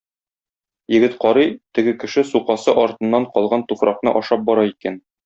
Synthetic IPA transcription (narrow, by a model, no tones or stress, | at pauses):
jɘ̆ɡɘt̪qɒɾɤjt̪ɘ̆ɡɘkɘ̆ʃɘsuqɑsɤʔɒɾt̪ɤ̆nːɑɴqɒlˠʁɑnt̪ufɾɑqnɤ̰ʔɒʃɑp̚bɒɾɑikæn